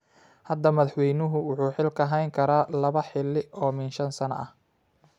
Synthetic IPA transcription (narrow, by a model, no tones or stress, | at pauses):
hɐd̪ɐmɐðɑħwɛjnʊɦʊwʊħuːħɪlkʰɐɦɛjŋkʰɐɾaːlɐβɐħɪlːɪʔɔːmɪnʃɐnsɐnɐ̰ʔɐ̰h